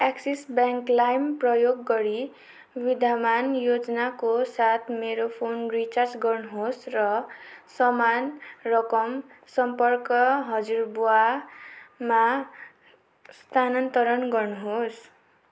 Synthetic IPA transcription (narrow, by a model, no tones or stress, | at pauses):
aksisbjaŋklajmprʌjoɡːʌɾi | wid̪ʱamanjod͡zʌnakosat̪ʰmeɾopʰonrit͡sard͡zɡʌrnuɦosrʌsʌmanrʌkʌmsʌmpʌrkʌɦʌd͡zirbua | ma | st̪ʰanʌnt̪ʌɾʌnɡʌrnuɦos